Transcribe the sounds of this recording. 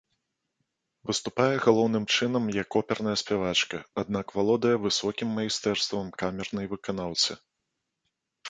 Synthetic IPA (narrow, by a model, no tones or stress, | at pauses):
vɨst̪upajɛɣalˠɔwn̪ɨmt͡ʂɨn̪ɐmjakɔpʲɛrnɐjɐsʲpʲavat͡ʂkɐad̪̚nakvalˠɔd̪ɐjɛvɨsɔkʲimːɐjist̪ɛrst̪vɐmkamʲɛrnɐjvɨkanawt̪sɨ